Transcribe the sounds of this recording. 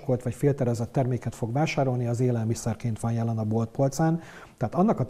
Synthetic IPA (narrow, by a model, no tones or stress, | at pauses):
ko̞lt̪ʋɒcfeːlt̪ɛɾɛzɛt̪ːɛrmeːkɛt̪fo̞ɡvaːʃaːɾo̞lniɒzeːlɛlmisɛrkeːnt̪ʋɒnjɛlɛnɒbo̞lt̪̚po̞lt̪saːn | t̪ɛɦaːt̪ɒnːɒkɒt̪